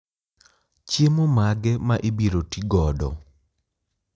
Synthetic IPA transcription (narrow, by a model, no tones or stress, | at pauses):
t͡ʃjemomaɡɛmaʔibiɾotiɡɔdɔ̰